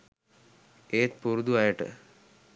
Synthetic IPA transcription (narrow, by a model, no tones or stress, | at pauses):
eːt̪̚puɾud̪uɐjəʈə̰